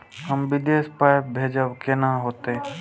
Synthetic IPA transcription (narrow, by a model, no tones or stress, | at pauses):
ɦəmʋɪd̪eːspajp̚bʱeːd͡ʒəʋkenaɦoːt̪eɛ̃